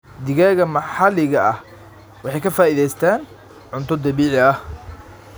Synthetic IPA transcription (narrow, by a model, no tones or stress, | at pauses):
d̪ɪɣaːɣɐmɑħɑlɪɣɐʔɐh | wɑħɑjkʰɐfaːiðɛjst̪ʰaːn | ʕʊnt̪ʰɔd̪ɐβiːʕɪɐh